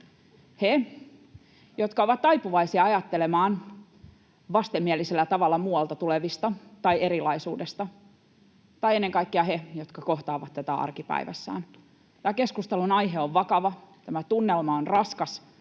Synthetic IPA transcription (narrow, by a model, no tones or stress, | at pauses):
he | jot̪kɑoʋɑt̪t̪ɑipuʋɑisiɑɑjɑt̪ːelemɑːn | ʋɑst̪emːieliselːæt̪ɑʋɑlːɑmuːɑlt̪ɑt̪uleʋist̪ɑt̪ɑieɾilɑisuːdest̪ɑ | t̪ɑienːeŋkɑikːiɑhejot̪kɑkoht̪ɑːʋɑt̪t̪æt̪æɑ̰rkipæ̰iʋæ̰sːæ̰ːn | t̪æːkeskust̪ɑlunɑjɦeoʋʋɑkɑʋɑt̪æmæt̪unːelmɑonrɑskɑs